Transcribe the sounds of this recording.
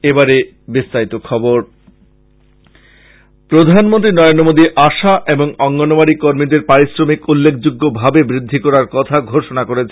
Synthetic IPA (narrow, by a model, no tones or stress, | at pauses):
ebaɾe | bist̪aɾit̪okʰɔboɾ | pɾod̪ʱanmõnt̪ɾinɔɾend̪ɾomod̪iʔaʃaʔeboŋɔŋɡɔnomaɾikoɾmid̪eɾpaɾisɾomikulːekʰd͡ʑuɡːobʱabebɾid̪ʱːikɔɾaɾkɔt̪ʰaɡʱoʃonakoɾet͡ɕʰe